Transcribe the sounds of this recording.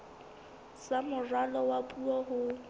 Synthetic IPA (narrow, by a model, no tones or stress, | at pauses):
samʊrwalɔwapʼuɔɦʊ